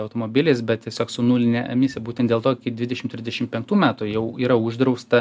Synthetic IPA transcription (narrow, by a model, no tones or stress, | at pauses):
ɐʊt̪oːmoːbʲɪlʲeːsbʲɛt̪̚t̪ʲiɛsʲoːksʊnuːlʲɪnʲɛʔɐmʲɪsʲebuːt̪ʲɛnt̪d̪ʲelˠt̪oːkʲɪd̪ʲʋʲɪd̪ʲɛʃʲɪmt̪ʲɾʲɪzd̪ʲɛʃʲɪmpʲɛŋk̚t̪uːmʲæːt̪ʊjɛʊiːɾɐuʒd̪ɾɐʊst̪ɐ